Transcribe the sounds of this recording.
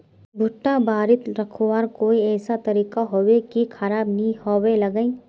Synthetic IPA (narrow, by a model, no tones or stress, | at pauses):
bʱʊʈːabaːɾɪt̪ɾɐkʰowaːɾkoːiɛːsat̪ɐɾiːkaɦoːwekikʰɐɾaːbnɐĩhowelɐɡə̃ĩ